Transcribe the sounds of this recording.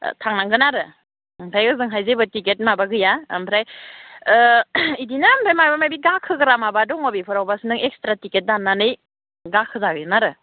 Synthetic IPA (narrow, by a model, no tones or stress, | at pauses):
tʰaŋnaŋɡɯnaɾɯ | mpʰɾajɯzɯŋɦajzebɯtiket̚mabaɡɯja̰mpʰɾaj | idinampʰɾajmajbamajbiɡakʰːɯɡɯɾamabadɔŋɔbipʰɯɾawbasnɯŋek̚stɾatiket̚danːanɯj | ɡakʰɯzaɡɯɯnaɾɯ